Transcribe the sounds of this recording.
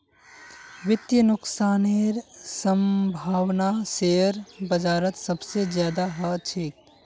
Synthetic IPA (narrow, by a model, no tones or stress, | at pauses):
ʋɪt̪jənʊksaːneɾsə̃mbʱaːwnaseːəɾbɐd͡ʒaːɾət̪sɐbsezjaːd̪aɦɐt͡ʃʰik̚